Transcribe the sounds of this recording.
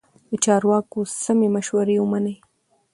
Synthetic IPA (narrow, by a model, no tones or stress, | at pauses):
d̪ət͡ʃɑɾwɑkosamemaʃwaɾewəmanəj